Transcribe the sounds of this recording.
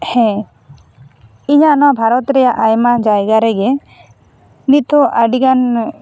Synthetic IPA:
hɛ̃ | iɲaʔnabʱaɾɔt̪ɾɛjaʔajmad͡ʒajɡaɾɛɡɛ | nit̪̚t̪ɔʔaɖikan

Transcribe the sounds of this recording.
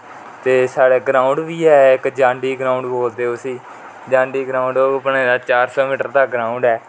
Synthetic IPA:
t̪eːsaːɽeːɡɾaːʊɳɖʋiːɦɛːɪkd͡ʒãːɳɖiːɡɾaːʊɳɖboːld̪eːʊsiː | d͡ʒãːɳɖiːɡɾaːʊ̃ɳɖoːpɳeːd̪aːt͡ʃaːɾsɔːmiːʈəɾd̪aːɡɾaːʊ̃ɳɖɛː

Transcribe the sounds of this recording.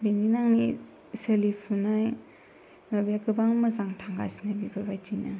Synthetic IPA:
bininaŋni | selipʰunaj | mabiakɯbaŋmazaŋtʰaŋɡa̰jsnajbibʰaɾbajtina

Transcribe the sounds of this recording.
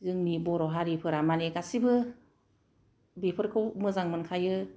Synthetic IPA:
ɡɯŋniboɾɔɦaɾipʰɯɾamalekasibʰɯ | bipʰɯɾkʰomɯzaŋmɯnkʰajɯ

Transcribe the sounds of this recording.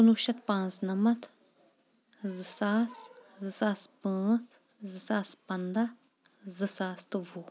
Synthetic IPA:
unuʃɐt̪pãːnt͡snɐmɐt̪ | zɨsaːszɨsaːspãːt͡s | zɨsaːspɐnd̪a | zɨsaːst̪ɨʋu

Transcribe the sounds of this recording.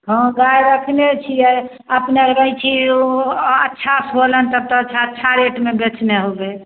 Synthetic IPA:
ɦə̃ɡajɾəkʰnet͡ʃʰiɛ | əpneəɾəjt͡ʃʰi | ətːʃʰasolənt̪əb̚t̪əətːt͡ʃʰaətːʃʰaɾeʈmebet͡ʃneɦobe

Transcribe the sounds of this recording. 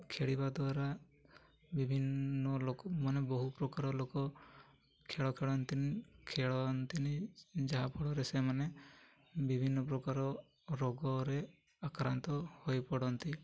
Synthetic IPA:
kʰeɽibad̪waɾa | bibʱinːɔlokɔmanebɔɦupɾɔkaɾɔlokɔ | kʰeɭɔkʰeɭɔnt̪inikʰeɭɔnt̪inid͡ʒaɦapɔɽɔɾesemane | bibʱinːɔpɾɔkaɾɔ | ɾɔɡɔɾe | akɾant̪ɔhojpɔɽɔnt̪i

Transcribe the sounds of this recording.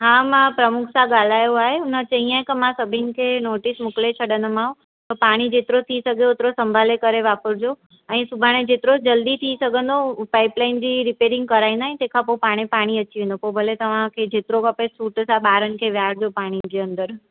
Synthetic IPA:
ɦãːmãpɾɐmʊkʰsãɠaːl̤aːjoaːɦeʊnət͡ɕɐɦĩãẽkəmãsɐbʱɪnɪ̆kʰenoːʈɪsmʊklet͡ɕʰɐɽənəmaːɦũ | t̪əpaːɽ̃id͡ʑeːt̪ɪɾot̪ʰisɐɡʱeoʊt̪ɪɾosɐ̃mbʱaːlekɐɾeʋaːpəsd͡ʑo | ɛ̃ːsʊbʱaːɽ̃ed͡ʑeːt̪ɪɾod͡ʑɐld̪it̪ʰisɐɡʱə̃nd̪opaːɪplaːɪnd͡ʑiːɾɪpeːɾɪ̃ŋɡ̚kɐɾaːĩnd̪aːɦẽt̪eːkʰãpopaːɽ̃epaːɽ̃iɐt͡ɕiʋẽːnd̪opobʱɐlet̪ɐʋ̤ãkʰed͡ʑeːt̪ɪɾokɐpesuːʈsãɓaːɾənɪ̆kʰeʋjaːɽd͡ʑopaːɽ̃id͡ʑeːə̃nd̪əɾ

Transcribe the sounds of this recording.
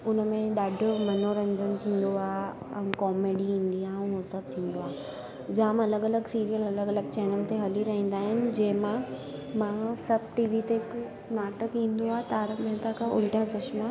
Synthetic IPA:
ʊnmẽɗaːɖʱʊ̆mɐnoɾɐ̃ɲd͡ʑənt̪ʰĩːnd̪oaː | ɛ̃kɔːmeːɖiĩːn̆d̪iãːʊ̃ɦosɐb̚t̪ʰĩːnd̪oaː | d͡ʑaːmɐləɡɐləɡsiːɾijəlɐləɡɐləɡ̚t͡ɕɛːnəlt̪eɦɐliɾɐɦĩːn̆d̪aːɦɪnɪ̆d͡ʑɐ̃ɦɪ̃mãmãsɐb̚ʱʈiːʋit̪ek | naːʈəkɦĩːn̆d̪oaːt̪aːɾmẽt̪akʰaʔʊ̰lʈʰat͡ɕʊʃmaː

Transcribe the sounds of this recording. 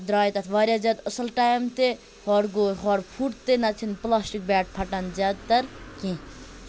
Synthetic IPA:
d̪ɾaːjt̪ɐt̪ʰʋɐɾjad͡ʒɐd̪əsɐlʈajmt̪e | hɔɽɡoːɦɔɽpʰuʈt̪ːenɐt͡ʃʰinplaːsʈik̚baːʈ̚pʰɐʈand͡ʒɐd̪̚t̪ɐɾkĩ

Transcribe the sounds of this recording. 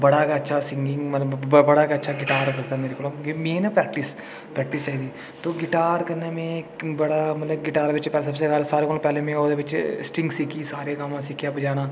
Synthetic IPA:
bəɽaːkːətːʃʰasɪ̃ŋɡɪ̃ŋɡmət̪ləbbəɽaːkaətːʃʰaːɡɪʈaːɾkəzd̪aːmeːɾekoːloɡmẽːnapɾɛːkʈɪs | pɾɛːk̚ʈɪst͡ʃaːɦiːd̪iː | t̪oːɡɪʈaːɾkəɾneːmẽbəɽaːmɐt̪ləbɡɪʈaːɾʋɪt͡ʃpɛːsəbseɡaːɾsaːɾekoːlpɛːlemẽoːd̪eʋɪt͡ʃsʈɪ̃ŋɡsikiːsaːɾekaːmãːsikjaːbəd͡ʒaːnaː

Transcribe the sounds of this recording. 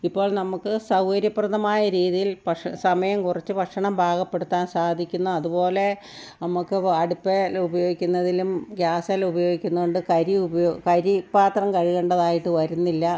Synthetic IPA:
ipːo̞ːɭnɐmukːɨsɐwhɐɾjɐprɐðɐmaːjɐɾiːðijilpɐsɐmɐjɐmkurɐt͡ɕːɨbʱɐʈʂɐɳɐmbʱaːɡɐpːe̞ɽut̪ːaːnsaːd̪ʱikʲːunːuɐðupo̞ːle̞ | nɐmukːɨɐɽupːeubɐjo̞ːɡikʲːunːɐðilumɡjaːsɐlubɐjo̞ːɡikʲːunːuɣoɳɖɨkɐɾibjokɐɾipaːt̪rɐmkɐɻiɣeːɳɖɐðaːjiʈːɨʋɐɾunːilːɐ

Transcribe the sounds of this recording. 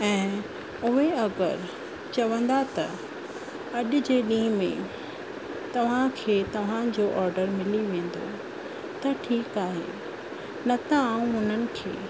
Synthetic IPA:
ɛ̃ː | ʊɦeɐɡəɾ | t͡ɕɐʋə̃nd̪at̪ɐ | ɐɗʊ̆d͡ʑeːɗĩːmḛ̃ | t̪ɐʋ̤ãkʰeːt̪ɐʋ̤ãd͡ʑoːʔɔːɾɖəɾmɪliʋẽːn̆d̪o̰ | t̪ɐʈʰiːkaːɦḛ | nɐt̪aaːũɦʊn̤ənɪ̆kʰḛː

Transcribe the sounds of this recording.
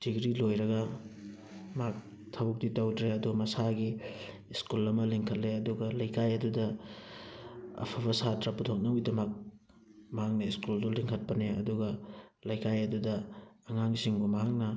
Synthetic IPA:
d̥iɡɾilojɾɐɡɐ | mak̚ | tʰɐbuk̚ditawtɾeɐdumɐsaɡiː | skulɐmɐliŋkʰɐt̚leɐduɡɐlɐjkajɐdudɐ | ɐ̰pʰɐbɐsatɾɐputʰok̚nɐujdɐmɐk̚ | mɐɦak̚nɐiskulduliŋkʰɐt̚pɐneɐ̰duɡɐlɐjkajɐdudɐːŋaŋsiŋbumɐɦak̚nɐ

